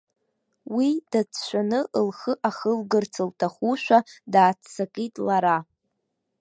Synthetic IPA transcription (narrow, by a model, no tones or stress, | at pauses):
wid̥at͡sʰʃʷᶣanɨʔəlχəʔaχəlɡɨrt͡sʰɨltʰaχuʃᶣʷadaːt͡sʰsakʼitʼlaɾa